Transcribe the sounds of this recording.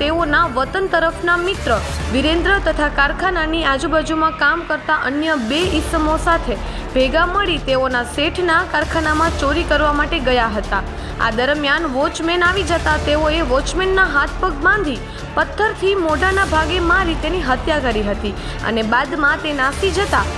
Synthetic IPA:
t̪eonaʋət̪ənt̪əɾəfʰnamɪt̪ɾəʋiɾẽnd̪ɾət̪ət̪ʰakaɾkʰananiad͡ʒubad͡ʒumãkamkəɾt̪aʔənjəbeɪsəmosat̪ʰe | b̥ʱeɡaməɭit̪eonaseʈʰnakaɾkʰanamãt͡ʃoɾikəɾʋamaʈeɡəjaɦət̪a | a̰d̪əɾmjanʋɔt͡ʃmenaʋid͡ʒət̪at̪eoeʋɔt͡ʃmenːaɦat̪̚ʰpəɡbãnd̪ʱi | pət̪ʰːəɾt̪ʰimoɖanabʱaɡemãɾit̪eniɦət̪jakəɾiɦət̪i | ə̰nebad̪mãt̪enasid͡ʒət̪a

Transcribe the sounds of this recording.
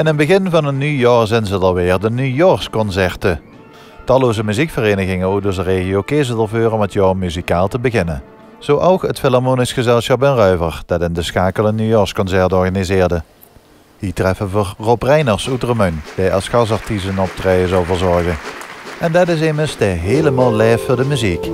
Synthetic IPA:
ɪnənbəɣɪnvɑnənyjɔːɹzɛjnzədɑlˠʋɪːɹdənyjɔɹskɔnsɛɹtə | tɑloːzəmyzikfəreːnəɣɪŋənok̚dozəreːɣijowkezədəlˠvøːrɔmətjɑːɹmyzikaːlˠtəbəɣɪnə̰n | z̥oʔɔwkətfɪlaɹmoːnisχəzɛlˠsχɑpənrœɥvəɹd̥ɑtɪndəsxaːkəlˠənːyjɔɹskɔnsɛɹtɔɹɣanizɪːɹdə | hitrɛfənvəɹroprɛjnəɹsutrəmœndɛjɑsxɑsɑɹtisənɔp̚trɛjəzowlˠvəɹzɔɹɣənʔɛndɑtɪs̬ɪməɹsdəɦeːləmalˠlɛːffoːɹdəmyzik

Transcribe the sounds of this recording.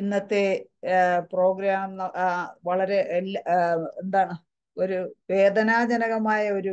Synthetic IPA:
inːɐt̪ːe | pro̞ːɡɾaːmnnːɐʋɐɭɐɾe̞elːend̪aːɳɨ | o̞ɾuʋe̞ːd̪ʱɐnaːd͡ʑɐnɐɣɐmaːjɐo̞ɾu

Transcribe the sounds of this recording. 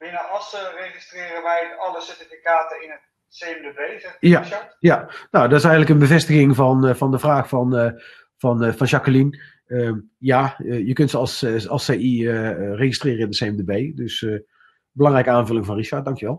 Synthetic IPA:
bɪnəɑsərejχɪstrɪːrənʋɛjɑləsɛɹtifikaːtənɪnət | sejəmdebejzɛjajanowdɑtɪsɛjɣənləkənbəvɛstəɣɪŋvɑnvɑndəvraːxfɑn | v̥ɑnvɑnʒɑkəlin | əm | jaːəjəkɵntsəɑlˠsɑlˠsejiəərexɪstrɪːrəɪndəseɛmdəbejdɵsə | bəlɑŋrɛjkəaːnvɵlɪŋvɑnriʃɑɹt̚dɑŋkjəʋɛlˠ

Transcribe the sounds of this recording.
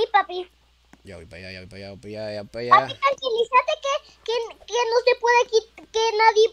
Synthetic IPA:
ipapi | ja̰ipa̰ja̰ja̰pajapajaapajaapit̪aŋkjelisat̪eke | kekenoslepweðekikenaðje

